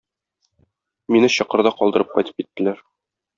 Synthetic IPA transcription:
minɘɕɒ̆qɤ̆ɾd̪ɑqɒlˠd̪ɤ̆ɾɤp̚qɒ̰jt̪ɤ̥p̚kit̪ːɘ̆læɾ

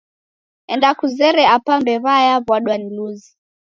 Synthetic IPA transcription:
ɛndakuzɛɾɛapambɛβajaβwaɗwaniluzi

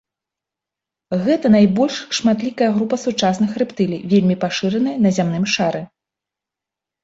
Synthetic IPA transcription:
ɣɛt̪ɐn̪ajbɔlʲʂʂmat̪lʲikɐjɐɣɾupɐsut͡ʂasnɨxrɨpt̪ɨlʲḭjvʲelʲmʲipaʂɨɾɐnɐjɐnɐzʲamnɨmʂaɾɨ

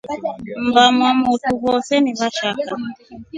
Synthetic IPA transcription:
m̩bamwamutuβɔsɛniβaʃaka

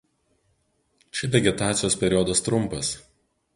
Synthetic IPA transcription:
t͡ʃʲɪʋʲɛɡʲɛt̪ɑːt̪sʲɪjoːsʲpʲɛɾʲɪɔːd̪ɐst̪ɾʊmpɐs

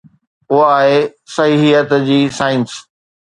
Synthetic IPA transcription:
ʊaːɦesɐɦiɦijət̪d͡ʑiːsaːɪns

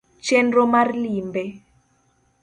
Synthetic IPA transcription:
t͡ʃenɾomarlimbe

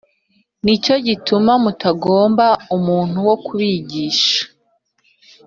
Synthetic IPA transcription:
nico̞ɟitumamutaɡo̞ːmbaumuːn̥huwo̞kuβiɟiːʃḁ

